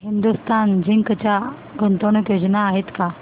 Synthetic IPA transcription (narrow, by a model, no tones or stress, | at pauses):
ɦind̪ust̪ʰand͡ʑiŋkət͡ɕja | ɡʱənt̪əɳəkjod͡ʑnaːɦet̪ka